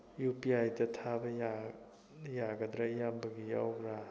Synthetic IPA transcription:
jupiajdɐtʰabɐja | jaɡɐd̪ɾajambɐɡijawɾa

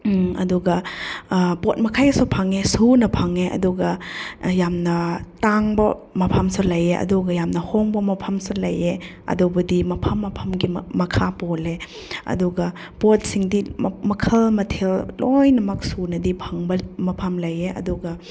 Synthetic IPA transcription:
ɐ̰duɡɐ | pot̚mɐkʰajɐsupʰɐŋesunɐpʰɐŋeʔɐ̰duɡɐjamnɐtaŋbɐmɐpʰɐmsɐlɐjeʔɐ̰duɡɐjamnɐhoŋbɐmɐpʰɐmsɐlɐje | ɐ̰dubɐdimɐpʰɐmːɐpʰɐmɡimɐkʰapole | ɐ̰duɡɐ | pot̚siŋdimɐkʰɐlmɐtʰellojnɐmɐk̚sunɐdipʰɐŋbɐmɐpʰɐmlɐjeʔɐ̰duɡɐ

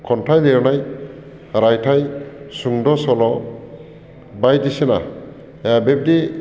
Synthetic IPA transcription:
kʰɔntʰajleɾɔnaj | ɾajtʰajsuŋdɔsɔlɔ | bajdisena | abeb̚di

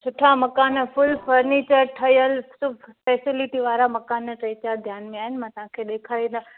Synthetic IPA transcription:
sʊʈʰamɐkaːnfʊlfəɾneːt͡ɕəɾʈʰɐjəlsʊbʱfɛːsɪlɪʈiʋaːɾamɐkaːnʈɾet͡ɕaɾd̪ʱjaːnmẽaːɦɪnɪ̆mãːt̪ɐʋ̤ɦãkʰeːɗeːkʰaːĩd̪a

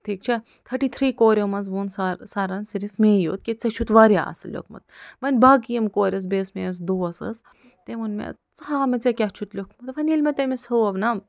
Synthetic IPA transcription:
t̪ʰiːk̚t͡ʃʰe | t̪ʰɐʈiːt̪ʰɾiːkoːɾʲomɐnzʋoːnssaɾɐnsiɾifmeːjo̰ːt̪̚kit͡set͡ʃʰut̪ʋaːɾja̰ːsɐlʲo̰kʰmɐ̰t̪̚ʋɐnʲbaːɡijɐmkoːɾʲɐs̬beːsmeːs̬d̪oːɐsɨ̰s | t̪emunmḛ | t͡sɦaːmet͡sekʲat͡ʃʰut̪lʲokʰmɐt̪ʋɐnʲilmet̪emesɐɐʋnɐ

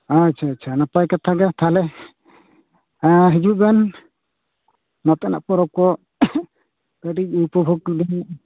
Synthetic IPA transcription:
at͡ʃʰaːt͡ʃʰanapajkat̪ʰaɡat̪ʰalɛ | aɦid͡ʒuʔɡan | nat̪ɛʔna̰ʔpɔɾɔp̚kɔ | kəɖik̚upɔbʱuɡ̚d̪an

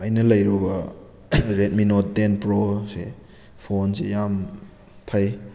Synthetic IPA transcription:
ɐjnɐlɐjɾubɐ | ɾet̚minot̚denpɾose | pʰonsejam | tʰaj

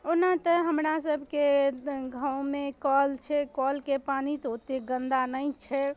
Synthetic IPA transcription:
onat̪əɦəmɾasəbʱkeɡʱãwmekɔlt͡ʃʰɛkɔlkepanit̪ɦot̪eɡə̃nd̪anəjt͡ʃʰɛ

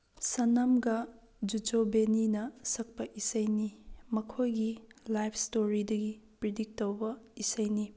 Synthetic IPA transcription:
sɐnɐmɡɐ | d͡ʒud͡ʒobeninɐsɐk̚pɐʔisɐjnimɐkʰojɡilajpʰstoɾidɐɡipɾidik̚towbɐisɐjni

